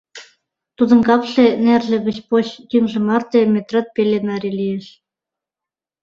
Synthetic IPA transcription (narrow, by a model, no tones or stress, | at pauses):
t̪ud̪ɤ̆nkɑpɬĕnærlʲɘ̆ɣɘ̆t͡ɕpoɕt̪yŋʒɘ̆mɑrt̪emʲet̪rɑ̆t̪̚pʲelʲenɑɾʲilʲijĕʃ